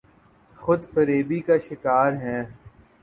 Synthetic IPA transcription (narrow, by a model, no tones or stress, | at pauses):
xʊd̪fəɾeːbikaʃɪkaːɾɦɛ̃ː